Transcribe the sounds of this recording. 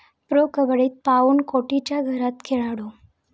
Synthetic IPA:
pɾokəbəɭiːt̪̚pauːnkoʈit͡ɕjaɡʱəɾat̪kʰeɭaɽo

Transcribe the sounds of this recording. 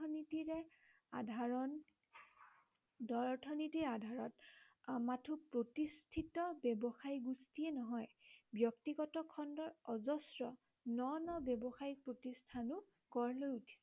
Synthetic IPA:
ɔnitiɹɛ | adʱaɹɔn | dɔɹtʰɔnitiadʱaɹɔtmatʰupɹotistʰitɔbɛbɔxajɡustiɛnɔɦɔjbjɔktiɡɔtɔkʰɔndɔɹɔzɔsɹɔ | nɔnɔbjɛbɔxajipɹotistʰanʊ | kɔɹlojutʰi̥sɛ

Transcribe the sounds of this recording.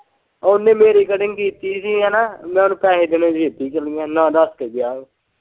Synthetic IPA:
ʊnːẽːmeːɾiːkəɖɪŋɡkiːt̪iːsiːɦɛːnaːmɛ̃ːʊnũːpɛːɦeːd̪enẽːd͡ʒeːt̪iːt͡ʃəlijãːnãːd̪əskeɡɪjaːeː

